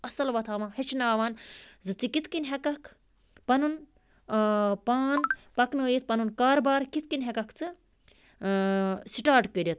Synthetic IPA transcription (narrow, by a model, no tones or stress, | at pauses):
ɐsɐlʋɐt̪ʰaːmahet͡ʃʰnaːʋaːnzɨt͡sikit̪ʰkinɦekɐkʰ | pɐnun | paːnpɐknoːjit̪̚pɐnunkaːɾbaːɾkit̪ʰkinʲɦekɐkʰt͡sɨ | siʈaːɾʈkəɾʲit̪̚